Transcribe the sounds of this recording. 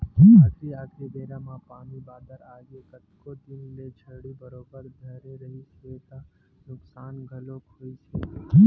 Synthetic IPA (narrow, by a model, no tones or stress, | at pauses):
tiaːkʰɾid̪eːɾãmãpaːmibaːd̪əɾaːɡekət̪kod̪ɪnlet͡ʃʰɐɽibəɾoːbəɾd̪ʱɐɦɾeɾɐɦisiet̪a | nʊksaːnɡʱɐlokʰoːisiː